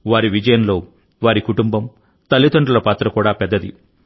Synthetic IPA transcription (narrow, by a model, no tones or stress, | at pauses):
ʋaːɾiʋid͡ʒɐjɐnlo̞ː | ʋaːɾikuʈumbɐm | t̪ɐlːit̪ɐɳɖulɐpaːt̪ɾɐkuːɽaːpɛd̪ːɐd̪i